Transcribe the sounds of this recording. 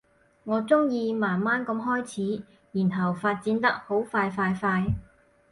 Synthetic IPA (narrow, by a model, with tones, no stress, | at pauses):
ŋɔː˨˧t͡sʊ˥ŋjiː˧maː˨˩nmaː˥nkɐ˧mɦɔː˥jt͡sʰiː˨˥ | jiː˨˩nɦɐ˨˩wfaː˧t̚t͡siː˨˧˥nt̪ɐ˥k̚ho˨˥wfaː˧jfaː˧jfaː˧j